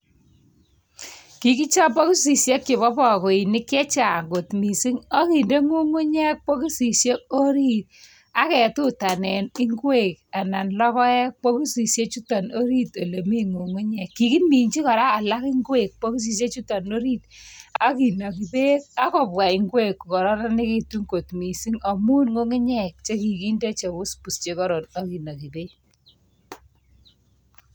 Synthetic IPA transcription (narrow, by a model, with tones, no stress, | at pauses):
ki˨ki˦t͡ʃɔ˦pɔ˦ku˦s̬i˨sje˦kːɪ˨βɔ˦pɔ˨ko˨i˨ni˦kːɛ˦t͡ʃa˨ŋɡo˨tmi˨si˦ŋɔ˦ki˨nde˦ŋu˦ŋu˦ɲɛ˦k̚k͡po˦ku˦si˨sje˦o˦ɾi˦t̚ | a˦kɛ˨tu˦ta˨nɛ˨ni˦ŋɡwe˦˨k̚a˨na˨nlɔ˦kɔ˦ɛ˦k̚k͡po˦ku˦si˨sje˦t͡ʃu˦ta˨no˦ɾi˦to˨le˨mi˦ŋu˨ŋu˦ɲɛ˨kːi˨ki˦mi˨ɲt͡ʃi˦kɔ˨ɾaː˦˨la˦kɪ˦ŋɡwe˦˨k̚k͡pɔ˦ku˦s̬i˨s̬je˦t͡ʃu˦ta˨no˦ɾi˦ta˦ki˨na˨ki˨be˦a˦kɔ˨bwa˨ɪ˨ŋɡwe˦kːu˨kɔ˨ɾɔ˦na˦nɪ˦ki˦tu˦ŋko˨tmi˨si˦ŋa˨mu˦nŋo˦ŋɪ˦ɲɛ˦˨k̚t͡ʃe˦ki˨ki˦nde˦t͡ʃe˨bʊ˦spu˨st͡ʃe˨˦kɔ˦ɾɔ˨na˦ki˨na˨ki˨be˦